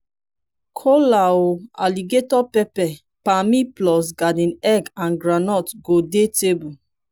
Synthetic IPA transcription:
kʰolaoa̰liɡetɔpɛpɛ | pamiplɔs̬ɡadĩnɛɡãnɡɾanɔtɡodetebu

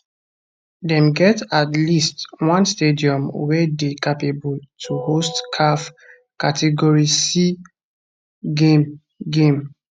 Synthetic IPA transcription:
dɛ̃mɡɛtatlistwãnstediɔ̃mwɛdekapebɔltʰuhostkʰaf | katʰɛɡɔɹisi | ɡẽm | ɡẽm

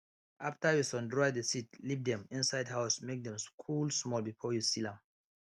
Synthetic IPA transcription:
ʔaftajusɔ̃ndɹɔjdəsitlivd̪ɛ̃mĩnsaɪdhaʊsmek̚dɛ̃mskʰulsmɔlˠbifɔjusilãm

